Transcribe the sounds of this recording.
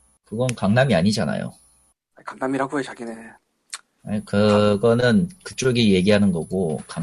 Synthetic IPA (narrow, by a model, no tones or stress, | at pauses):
kɯɡʌnkaŋnamiaɲid͡ʑana̰jo̰ | akaŋnamiɾaɡojet͡ɕaɡine | akɯɡʌnɯnkɯ̥t͡ɕ͈oɡije̞ɡiɦanɯnɡʌɡoka